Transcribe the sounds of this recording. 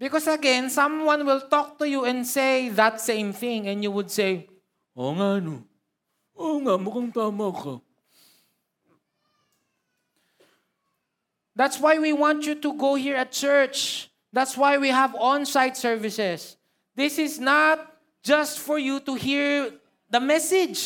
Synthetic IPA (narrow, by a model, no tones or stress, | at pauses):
bɪkɔsɐɡɛ̃nsʌ̃mwʌ̃nwɪlt̪ɔk̚t̪ujuɛ̃nd̪seɪðət̪sẽɪ̃mθɪ̃ŋɛ̃njuwʊd̪̚seɪ | ʔoŋano | oŋaʔmokʊŋt̪aːmako | ðæt̪swajwiwãnt͡ʃut̪uɡoʊhiɹɐt̪̚t͡ʃɜɹt͡ʃ | ðæt̪swajwiɦəvɔ̃nsaɪd̪sɛɹvɪsɛs | ðɪsɪsnat̪̚ | d͡ʒʌst̪fɔɹjut̪uhiɹ | ðɐmɛsɪd͡ʒ